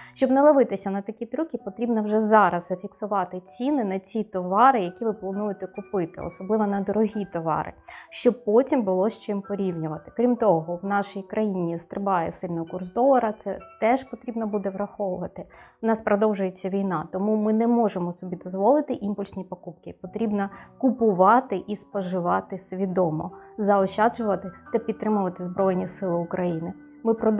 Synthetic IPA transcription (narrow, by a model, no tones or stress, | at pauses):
ʃt͡ʃɔbnɛlˠɐʋɪt̪ɪsʲɐnɐt̪ɐkʲit̪ɾukʲipɔt̪ɾʲibnɐwʒɛzɑɾɐzzɐfʲiksʊʋɑt̪ɪt͡sʲinɪnɐt͡sʲit̪ɔʋɑɾɪjɐkʲiʋɪplˠɐnujʊt̪ɛkʊpɪt̪ɪ̰ɔ̰sɔblˠɪʋɔnɐd̪ɔɾɔɦʲit̪ɔʋɑ̰ɾɪ̰ʃt͡ʃɔpɔtʲimbʊlˠɔʃt͡ʃɪmpɔɾʲiwnʲʊʋɐt̪ɪ̥kɾʲimt̪ɔɦɔwnɑʃijkɾɐjinʲist̪ɾɪbɑjɛsɪlʲnɔɦɔkursd̪ɔlˠɐɾɐt̪sɛt̪ɛʒpɔt̪ɾʲibnɐbud̪ɛʋɾɐxɔʋʊʋɐt̪ɪnɑspɾɔd̪ɔwʒʊjet͡sʲːɐʋʲijnɑt̪ɔmumɪnɛmɔʒemɔsɔbʲid̪ɔzʋɔlˠɪt̪ɪʔimpʊlʲsʲnʲipɔkupkɪpɔt̪ɾʲibnɐkʊpʊʋɑt̪ɪʔispɔʒɪʋɑt̪ɪsʲʋʲid̪ɔmɔ̰zɐɔʃɑd͡ʒʊʋɐt̪ɪt̪ɐpʲid̪̚t̪ːɾɪmʊʋɐt̪ɪzbɾɔjnʲisɪlˠɪʊkɾʔɐjinɪ | mɪpɾɔ